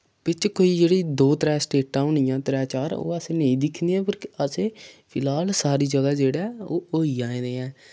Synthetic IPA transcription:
bɪt͡ʃkoːiːd͡ʒeːɽiːd̪oːt̪ɾɛːsʈeːãːʊniːãːt̪ɾɛːt͡ʃaːɾo̰ːəsẽːnəĩːd̪ɪkʰniːɛ̃ːpəɾkəsẽːpʰɪlaːlsaːɾiːd͡ʒəɡaːd͡ʒeːɽaɛːoːoːiːãːẽːd̪eːɛ̃ː

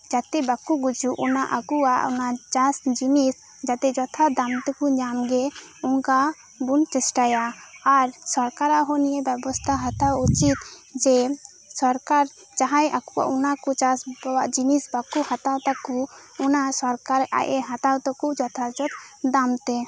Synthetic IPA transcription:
d͡ʒat̪ɛbakuɡud͡ʒuʔunaʔakuaʔṵnat͡ʃasd͡ʒinis | d͡ʒat̪ɛd͡ʒɔt̪ʰad̪amt̪ɛkuɲamɡɛ | uŋka | bunt͡ʃɛsʈajaaɾsɔɾkaɾaʔɦɔnijɛbɛbɔst̪ʰaɦat̪awut͡ʃit̪̚d͡ʒɛ | sɔɾkaɾ | t͡ʃaɦajakua̰ʔunakut͡ʃasbɔwaʔd͡ʒinisbakuhat̪awt̪akuː | nasɔɾkaɾʔa̰ʔɛɦat̪awt̪ɔkud͡ʒɔt̪ʰad͡ʒɔt̪̚d̪amt̪ɛ

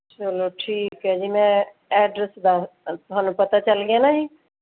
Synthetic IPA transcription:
t͡ʃəloʈʰiːkɦɛd͡ʒimɛ̃ | ɛːɖɾəsd̪at̪oɦanupɐt̪at͡ʃəlɡanaɦĩ

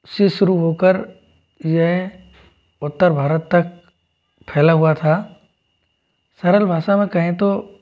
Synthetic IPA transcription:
sɪʃʊɾuɦoːkəɾ | jəɦ | ʊt̪ːəɾbʱaːɾət̪ːɐk̚ | pʰɛːlaɦʊat̪ʰaː | sɐɾəlbʱaːʃamẽkɐɦẽt̪o

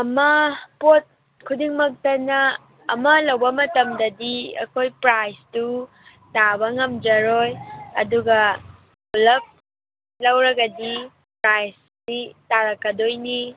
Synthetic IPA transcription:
ɐmɐpot̚ | kʰudiŋmɐk̚tɐnɐː | mɐlɐwbɐmɐtɐmdɐdiɐ̰kʰojpɾajstu | tabɐŋɐmd͡ʒɐɾojɐduɡɐ | ulɐp̚ | lɐwɾɐɡɐdi | pɾajs | sitaɾɐkːɐdojni

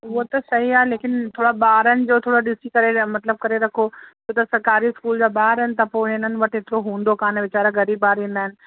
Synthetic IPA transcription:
ʋot̪ɐsɐɦiaːeleːkɪnt̪ʰoːɽabaːɾən̆d͡ʒoːt̪ʰoːɽaɖɪsikɐɾemɐt̪ləb̚kɐɾeɾɐkʰod͡ʒoːt̪ɐsɐɾkaːɾiɪskuːld͡ʒabaːɾɦɛnt̪ɐpoːenən̆ʋɐʈʰɪt̪ɾoɦũːnd̪okaːnẽʋɪt͡ʃaːɾaɡɐɾiːbːaːɾĩːnd̪aːɦɪnɪ̆

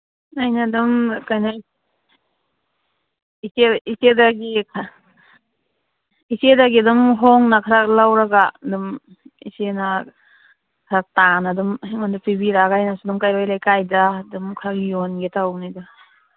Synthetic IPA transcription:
ajnadumkajna | iseisedaɡikʰa | isedaɡidumɦɔŋnakʰaɾak̚lawɾaɡadum | ḭsena | kʰɾak̚tanadummandupibiɾaɡajnasudumkajbajlajkajdadumkʰaɾakjonɡetawnida

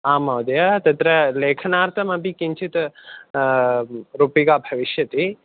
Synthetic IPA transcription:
aːmɐʋd̪jɐt̪ɐt̪ɾɐleːkʰɐnaːɾt̪ʰɐmɐbikint͡ʃʰit̪ | ɾuːpikaːbʱɐʋiʃjɐt̪i

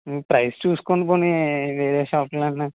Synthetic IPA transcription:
pɾɐjst͡ʃuːsu̥koɳip̬oːniʋe̞ːɾeːʃaːplɐnːa

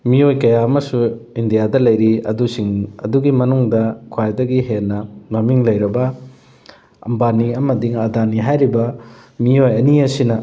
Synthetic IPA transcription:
miojkɐjaɐmɐsuindijadɐlɐjɾiɐ̰dusiŋɐ̰duɡimɐnuŋdɐkʰwajdɐɡiɦenːɐmɐmiŋlɐjɾɐbɐ | ɐ̰mbaniɐmɐdiŋɐdaniɦajɾibɐ | miojɐniɐsinɐ

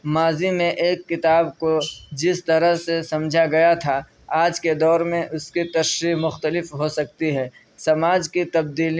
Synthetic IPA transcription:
maːzimẽʔeːkːɪt̪aːbkod͡ʒɪst̪ɐɾəɦsesɐmd͡ʒʱaɡɐjat̪ʰa | aːd͡ʒked̪ɔːɾmẽʔʊskit̪ɐʃɾimʊxt̪əlɪfɦosɐk̚t̪iɦɛː | sɐmaːd͡ʒkit̪ɐb̚d̪iːl

